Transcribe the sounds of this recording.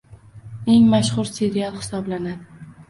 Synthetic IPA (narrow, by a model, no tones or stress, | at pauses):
e̞ŋmaʃχʊɾse̞ɾialˠhɪ̥sɒblanad̪ɪ